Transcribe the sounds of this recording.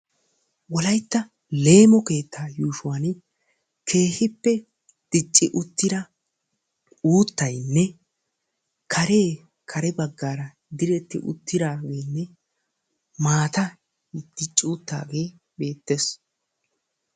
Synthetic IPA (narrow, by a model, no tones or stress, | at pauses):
wɔlɐjt̪ːɐ | le̞ːmɔke̞ːt̪ʰːaːjuːʃʊwaːn | kʰe̞ːhɪpːɛ | d̪̥ɪt͡ʃʼːɪʔʊt̪ːɪɾɐ | uːt̪ːɐjnːɛ | kʰɐɾe̞ː | kʰɐɾɛbɐɡːaːɾɐ | d̪ɪɾɛt̪ːɪ̰ʔʊ̰t̪ːɪɾaːɡe̞ːnːɛ | maːt̪ɐ | d̪̥ɪt͡ʃʼːɪʊt̪ːa̰ːɡe̞ː | be̞ːt̪ːeːs